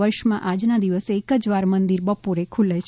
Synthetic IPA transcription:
əɾʃmãʔad͡ʒnad̪iʋəseːkəd͡ʒʋaɾmənd̪iɾbəpoɾekʰulet͡ʃʰ

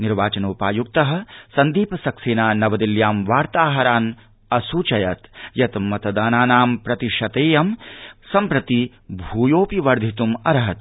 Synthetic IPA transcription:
niɾʋaːt͡ʃɐnuːpaːjuk̚t̪ɐɦɐ̆sɐnd̪iːpɐsɐkseːnaːnɐʋɐd̪iljaːmʋaːɾt̪aːɦɐɾaːn | ɐsut͡ʃɐjɐt̪jɐt̪mɐt̪ɐd̪aːnaːnaːmpɾɐt̪iʃɐt̪eːjɐmsɐmpɾɐt̪i | bʱuːjoːpiʋɐɾd̪ʱit̪umɐɾɐɦɐt̪

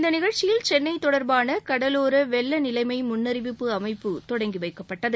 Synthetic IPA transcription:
nd̪ɐnɪɣɐɻt͡ʃɪjɪlt͡ʃɛnːɐɪt̪ːɔɽɐɾbaːnɐkɐɽɐloːɾɐʋɛlːɐnɪlɐɪmɐɪmʊnːɐɾɪʋɪpːɯɐmɐɪpːɯt̪ɔɽɐŋɡiʋɐɪkːɐpːɐʈːɐðɯ

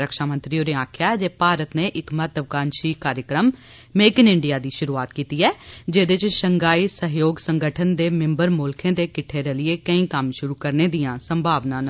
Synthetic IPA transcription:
ɾəkʃaːmə̃nt̪ɾioːɾeːaːkʰjaːd͡ʒeːpaːɾət̪neːʔɪkmət̪əʋkaːnʃiːkaːɾjəkɾəmː | eːkɪnɪɳɖijaːd̪iːʃʊɾuːaːt̪kiːt̪iːɛːd͡ʒeːd̪ɪt͡ʃʃəŋɡaːiːsəɦjoːɡsəŋɡəʈʰənd̪eːmɪ̃mbəɾmʊːlkʰẽːd̪eːkɪʈʰːeːɾɛlɪeːkəĩːkəmʃʊɾuːkəɾneːd̪ijãːsəmbʱaːʋnãːn

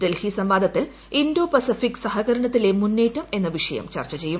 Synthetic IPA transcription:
delhisɐmʋaːd̪ʱɐt̪ːil | indoːpɐsifikːsɐɦɐɣɐɾɐɳɐt̪ːile̞munːeːtːume̞nːɐʋiʂɐjɐ̰mt͡ɕɐ̰rt͡ɕːɐt͡ɕe̞jːum

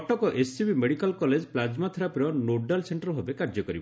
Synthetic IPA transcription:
ʈɔkɔʔesibimeɽikalkɔled͡ʒplad͡ʒmat̪ʰiɾapɾɔnoɖalseɳʈɔɾbʱabekaɾd͡ʒɔkɔɾibɔ

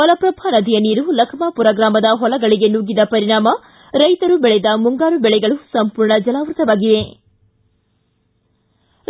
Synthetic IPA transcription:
ɔlɐpɾɐbʱaːnɐd̪ʱijɐniːɾulɐkʰmaːpuɾɐɡɾaːmɐd̪ɐɦɔlɐɡɐɭiɡe̞nuːɡid̪ɐpɐɾiɳaːmɐ | ɾɐjt̪ɐɾubɛɭɛd̪ɐmuŋɡaːɾubɛɭɛɡɐɭusɐmpuːɾɳɐd͡ʒɐlaːʋɾut̪ɐʋaːɡiʋe̞

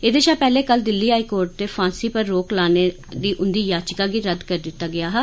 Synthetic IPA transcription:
eːd̪eːʃaːpɛːleːkəld̪ɪlːiːɦaːikoːɾʈ̚t̪eːfʰãːsiːpəɾːoːklaːneː | d̪iːʔʊnd̪iːjaːt͡ʃkaːɡiːɾəd̪kəɾd̪ɪt̪ːaːɡɪaːɦɛː

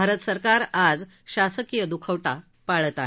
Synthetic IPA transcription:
aɾət̪əsəɾkaɾad͡z | ɕasəkijəd̪ukʰəʋʈa | paɭət̪aɦe

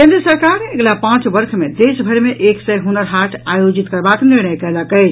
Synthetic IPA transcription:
kẽnd̪ɾiəsəɾkaɾeɡlapãt͡ʃbəɾkʰmed̪esbʱəɾmeʔeksəjɦunəɾɦaʈʰajod͡ʒit̪kəɾbakniɾnəjkələkəɪt͡ʃʰ

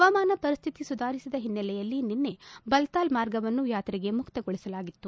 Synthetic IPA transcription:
ɐʋɐmaːnɐpɐɾist̪ʰit̪isud̪ʱaːɾisid̪ɐɦinːɐlɛjɐlːininːe̞bɐlt̪aːlmaːɾɡɐʋɐnːujaːt̪ɾiɡe̞mukt̪ɐɡoɭisɐlaːɡit̪ːu

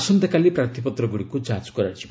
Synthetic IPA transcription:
sɔnt̪akalipɾaɾt̪ʰipɔt̪ɾɔɡuɽikud͡ʒat͡ʃkɔɾat͡ʃʰib

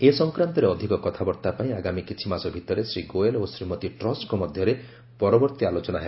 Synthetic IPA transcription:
esɔŋkɾant̪ɔɾeɔd̪ʱikɔkɔt̪ʰabɔɾt̪apaĩaɡamikit͡ʃʰimasɔbʱit̪ɔɾesɾiɡoelosɾimɔt̪iʈɾɔskumɔd̪ʱjɔɾe | pɔɾɔbɔɾt̪ialot͡ʃɔnaɦeb

